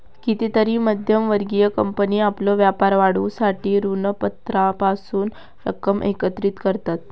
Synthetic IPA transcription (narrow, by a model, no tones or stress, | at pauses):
kit̪it̪əɾiːməd̪ʱjəmʋəɾɡijəkəmpəniaplɔʋjapaɾʋaɽusaʈiːɾunəpət̪ɾapasuːn | ɾə̰kəmʔḛkət̪ɾiːt̪kəɾt̪at̪̚